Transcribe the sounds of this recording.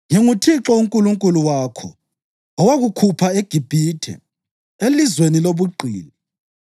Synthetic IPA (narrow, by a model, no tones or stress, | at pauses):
ŋiŋutʰiǁɔuŋkʼuluŋkʼuluwaːkʰɔ̰ | ɔwaɣukʰupʰaeɡ̥ʱib̥ʱitʰɛ̰ | elizweniloβuǃʱḭːli